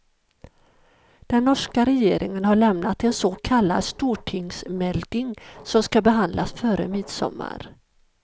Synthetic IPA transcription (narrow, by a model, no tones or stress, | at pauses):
d̪̥ɛnːɔʂkaɾɛjeːɾʔɪŋənhaɭɛmnat̪ɛnsokʰalːa̰d̪st̪uːʈʰɪŋsmɛld̪ɪŋsɔmskabɛɦand̪lʔasfœɾə̰mɪd̪sɔ̰mːa̰ɾ